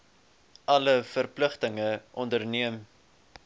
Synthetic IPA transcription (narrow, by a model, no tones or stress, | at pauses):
ʔɐləfərpləχtəŋəʔɔndərniəm